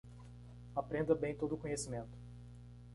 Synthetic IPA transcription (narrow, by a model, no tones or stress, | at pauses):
apɾẽnd̪ɐbẽj̃t̪od̪ʊkõɲesimẽnt̪ʊ̥